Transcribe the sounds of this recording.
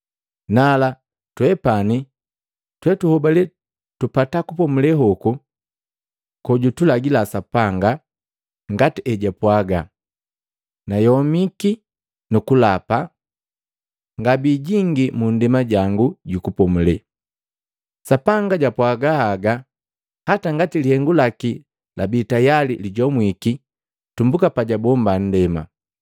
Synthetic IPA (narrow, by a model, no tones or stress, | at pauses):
nala | twɛpani | twɛtuhɔbalɛ | tupatakupɔmulɛɦɔku | kɔɟutulaɡilasapaŋɡa | ŋɡatiʔɛɟapwaɡa | najɔmiki | nukulapa | ŋɡabiɟiŋɡimundɛmaɟaŋɡuɟukupɔmulɛ | sapaŋɡaɟapwaɡahaɡa | hataŋɡatilihɛŋɡulaki | lʔabitajaliliɟɔmwiki | tumbukapaɟabɔmban̩dɛma̰